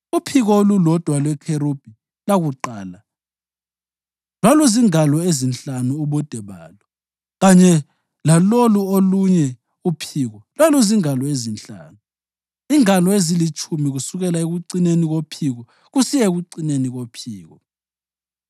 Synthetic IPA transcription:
upʰiɣɔolulɔd̥ʱwalwɛkʰeɾub̥ʱi | laɣuǃaːla | lwaluziŋalɔezint͡ɬʼanuuβɔd̥ʱɛβa̰ːlɔ | ɣaɲɛ | laloluoluɲɛ | upʰiːɣɔlwaluziŋalɔezint͡ɬʼa̰ːnu | iŋalɔezilit͡ʃʰʼumiɣusuɣɛlaeɣuǀineniɣopʰiɣɔ | ɣusijɛɣuǀineniɣopʰiːɣɔ

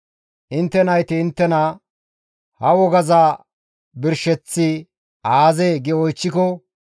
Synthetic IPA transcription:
ʔɪnt̪ːɛnɐjt̪ɪːnt̪ːɛnɐ | hɐwɔɡɐzaː | bɪɾʃɛt͡sːɪ | aːzeːɡɛɔjt͡ʃːɪkɔ

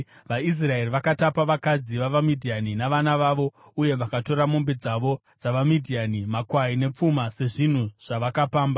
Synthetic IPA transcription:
ʋais̬rae̞riʋakatapaʋakad͡ziʋaʋamidʱianinaʋanaʋaʋo̞ | uje̞ʋakato̞ɾamumbed͡zaʋo̞ | d͡zaʋamidʱianimakwaine̞p͡fumase̞ʐin̤uʐ̥aʋakapaːmba

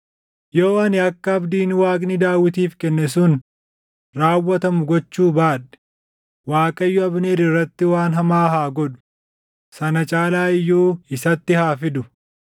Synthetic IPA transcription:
jo̞ːɐnɪɐkːɐɐbd̪iːnwaːkʼnɪd̪aːwːɪt̪̬iːfkɛnːɛsʊn | ɾaːwːɐt̪ɐmʊɡɔt͡ʃːuːbaːᶑɛ̥ | waːkʼɐjːɔɐbneːɾɪrːɐt̪ːɪwaːnɦɐmaːɦaːɡɔᶑʊ̥ | sɐnɐt͡ʃʼaːlaːɪjːuːɪsɐt̪ːɪhaːfɪd̪ʊ

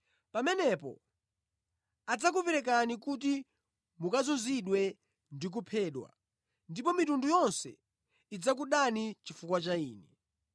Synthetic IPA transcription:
pamɛnɛpɔ̰ | ad͡zak̬upɛɾɛk̬anikut̬i | mukazɔziɗwɛ | ndik̬upʰɛːɗwa̰ | ndipɔmitundujɔnsɛ̰ | id͡zak̬uɗanit͡ʃifukwat͡ʃaiːnɛ

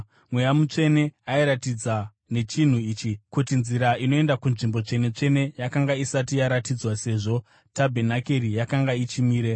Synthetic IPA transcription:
mwe̞jamut͡ʂe̞ne̞aiɾatid͡za | ne̞t͡ʃin̤uiːt͡ʃikutinziɾaino̞e̞ndakunʐimbo̞t͡ʂe̞ne̞t͡ʂe̞ne̞jakaŋɡaisatijaɾatid͡zwase̞ːʐo̞ | tabʱe̞nake̞ɾijakaŋɡait͡ʃimiːɾe̞

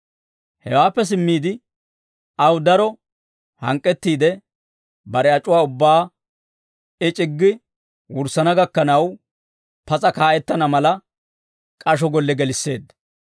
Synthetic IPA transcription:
hɛwaːpːɛs̬ɪmːiːd̪ɪ | ʔɐwd̪ɐɾɔ | hɐ̰ŋkʼːɛt̪ːiːd̪ɛ | bɐɾɛɐt͡ʃʼʊwaːʊbːaː | ɪt͡ʃʼɪɡːɪ | wʊɾsɐnɐɡɐkːɐnɐw | pɐt͡sʼɐkaːʔɛt̪ːɐnɐmɐlɐ | kʼɐʃ̬ɔɡɔlːɛɡɛlɪsːe̞ːd̪ɐ

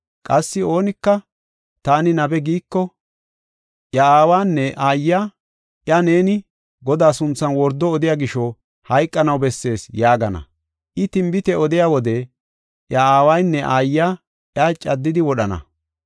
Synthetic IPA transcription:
kʼɐsːɪo̞ːnɪkːɐ | t̪aːnɪnɐbɛɡiːkːɔ | ʔjɐaːwaːnːɛʔaːjːaː | ʔjɐne̞ːnɪ | ɡɔd̪aːsʊnt͡sːɐnwɔɾd̪ːɔːd̪ɪjaːɡɪʃɔ | hɐjkʼːɐnɐwbɛsːe̞ːsjaːɡɐnɐ̰ | ʔɪt̪ɪmbɪt̪ɛɔd̪ɪjaːwɔd̪ɛ | ʔjɐaːwɐjnːɛʔaːjːa | ʔjat͡ʃʼɐd̪ːɪd̪ɪwɔɗɐnɐ̰

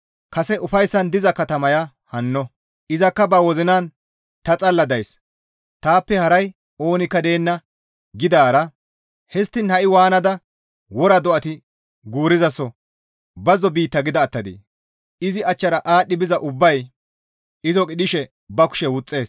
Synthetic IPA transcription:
kɐsɛʔʊfɐjsːɐnd̪ɪzɐkɐt̪ɐmɐja | hɐnːɔ | ɪzɐkːɐbɐwɔzɪnaːn | t̪ɐt͡sʼɐlːɐd̪ɐjs | t̪aːpːɛhɐɾɐj | o̞ːnɪkːɐd̪e̞ːnːɐ | ɡɪd̪aːɾɐ | hɛst̪ːɪnhɐʔɪwaːnɐd̪ɐ | wɔɾɐd̪ɔʔɐt̪ɪ | ɡuːɾɪzɐsɔ | bɐzɔbiːt̪ːɐɡɪd̪ɐːt̪ːɐd̪ḭː | ɪzɪɐt͡ʃːɐɾɐʔaːɗːɪbɪzɐʔʊbːɐj | ɪzɔkʼɪɗɪʃɛ | bɐkʊ̥ʃɛwʊt͡sʼːe̞ːs

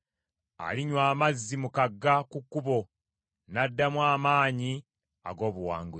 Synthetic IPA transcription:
a̰liɲwaːmazːimukaɡːakukːuβo̞ | nadːamwaːmaːɲi | a̰ɡo̞ːβuwa̰ːŋɡu

